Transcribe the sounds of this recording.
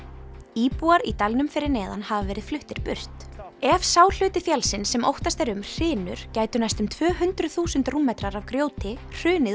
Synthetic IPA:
iːpuaɾit̪alnʏmfɪɾɪɾnɛːða̰nhavavɛːɾɪð̥flʏht̪ɪɾ̥pʏr̥t̪ | ɛvsaːwl̥ʏːt̪ɪfjalsɪnsɛmo̰wht̪ast̪ɛɾʏmr̥ɪːnʏ̰ɾ̥caːjt̪ʏnajst̪ʏmt̪ʰvœːɦʏnt̪ɾʏ̥θuːsʏnt̪ruːmɛt̪ɾaɾavkɾjoːwt̪ɪ | r̥ʏːnɪ

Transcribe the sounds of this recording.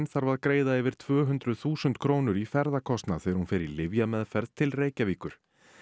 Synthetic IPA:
nθaɾvaðkɾeːjðaɛvɪɾ̥t̪ʰvœːɦʏnt̪ɾʏðθuːsʏnt̪kʰɾoːwnʏɾifɛɾðakʰɔst̪naθɛɛɾhunfɪɾɪlɪvjamɛðfɛɾðt̪ʰɪlreːjcaviːkʏɾ̥

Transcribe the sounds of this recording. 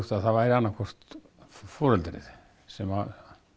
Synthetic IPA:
t̪aðθavajɾɪanːakʰɔr̥t̪ | fɔːɾɛlt̪ɾɪ̰ð | sɛma

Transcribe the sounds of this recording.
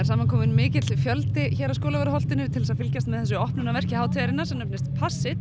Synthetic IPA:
ɛɾ̥saːmankʰɔːmɪnmɪːcɪt̪ɪfjœlt̪ɪçɛːɾaskoːlaɛɾʏhɔl̥t̪ɪnʏt̪ʰɪlsaðfɪlcast̪mɛðθɛs̬ʏɔhpnʏnavɛr̥cɪhaːwt̪ʰɛːɾɪnːasɛmnœpnɪst̪pʰasːɪt̪

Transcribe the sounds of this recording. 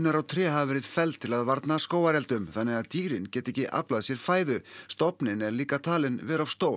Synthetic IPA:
naɾawt̪ʰɾɛːɦavvɛːɾɪð̥fɛlt̪ʰːɪlaðvaɾt̪naskoːwaɾɛlt̪ʏmθanːɛɣaðt̪iːɾɪncɛːt̪ɪɛhcɪʔa̰plaðsjɛɾ̥faːjðʏst̪ɔpnɪnɛɾliːkat̪ʰaːlɪnvɛːɾav̥st̪oːwl

